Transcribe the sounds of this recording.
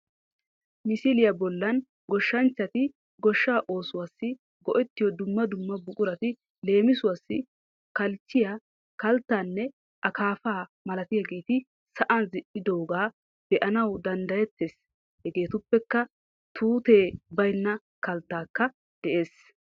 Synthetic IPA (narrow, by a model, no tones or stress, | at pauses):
mɪsɪlɪjɐbɔlːɐn | ɡɔʃːɐnt͡ʃːɐt̪ɪ | ɡɔʃːaːʔo̞ːsʊwasːɪ | ɡɔʔɛt̪ːɪjɔd̪ʊmːɐd̪ʊmːɐbʊkʼʊɾɐt̪ɪ | le̞ːmɪsʊwasːɪ | kɐlt͡ʃːɪja | kɐlt̪ːaːnːɛ | ʔɐkaːfaːmɐlɐt̪ɪjaɡe̞ːt̪ɪ | sɐʔɐnzɪʔɪd̪o̞ːɡaː | b̥ɛʔɐnɐwd̪ɐnd̪ɐjɛt̪ːeːs | hɛɡe̞ːt̪ʊpːɛkːɐ | t̪ʰuːt̪e̞ːbɐjnːɐ | kɐlt̪ːaːkːɐ | d̪̥ɛʔeːs